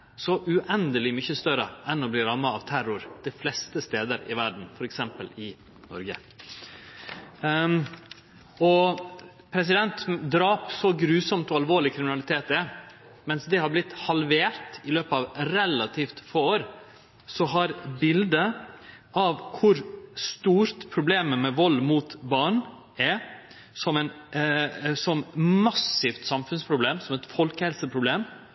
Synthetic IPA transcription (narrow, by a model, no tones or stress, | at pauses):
sɔʔʉʔɛnd̪əlɪmʏçəst̪œɾəʔɛnɔbliːɾɑmːəɑʋt̪ʰæɾʊɾd̪̥ɪflɛst̪əst̪eːd̪əɾɪ̰ʋæɖɳ̩n̩fɔɾɛksɛmpəlɪ | nɔ̰ɾɡə̰ | ɔ | pʰɾɛs̬ɪd̪ɛnt̪d̪ɾɑːpsɔɡɾʉːsɔmt̪ɔɑlʋoːɭɪkʰɾɪmɪnɑlɪt̪ʰeːt̪̚d̪ɛ | mɛnsd̪ɛhɑblɪt̪hɑlʋeːɾt̪ɪløːpɑʋɾɛlɑt̪ʰiːft̪foːoːɾ | sɔɦɑɾbɪld̪ə | ɑʋkʰʊɾst̪uːɾt̪pʰɾʊbleːməmɛʋɔlːmuːt̪bɑːɳ | ɛɾ | sɔmɛn | sɔmmɑsɪft̪sɑmfʉnspʰɾʊbleːmsɔmɛt̪fɔlkəhɛlsəpʰɾʊbleːm